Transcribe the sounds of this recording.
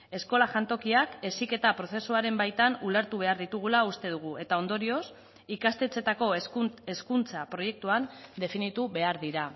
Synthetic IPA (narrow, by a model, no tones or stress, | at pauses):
e̞sko̞laʝant̪o̞kiake̞sike̞t̪apɾo̞θe̞suaɾe̞mbajt̪anule̞ɾt̪uβ̞e̞aɾðit̪uɣ̞ulaust̪e̞ð̞uɣ̞ue̞t̪ao̞nd̪o̞ɾio̞s | ikast̪e̞t͡se̞t̪ako̞eskunt͡sapɾo̞je̞k̚t̪uand̪e̞finit̪uβe̞aɾðiɾa